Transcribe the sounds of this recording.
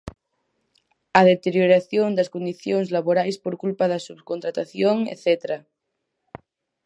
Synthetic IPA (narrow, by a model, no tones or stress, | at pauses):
ɐðet̪eɾjoɾaθjond̪ɐskond̪iθjoŋzlaβoɾajspoɾkulpaðɐsuβkont̪ɾat̪aθjoŋḛθet̪ɾa